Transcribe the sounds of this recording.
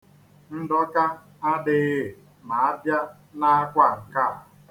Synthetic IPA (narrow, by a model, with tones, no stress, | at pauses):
n̩˦dɔ˦ka˦ | a˦dɪ˨˦ɣ | ma˨a˦bja˦ | na˦a˦kʷa˦˨ŋ̩˨ka˦˨